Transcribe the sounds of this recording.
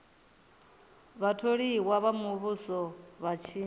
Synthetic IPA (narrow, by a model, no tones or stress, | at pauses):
βatʰoɺiwaβamuβusɔβat͡ʃʰiː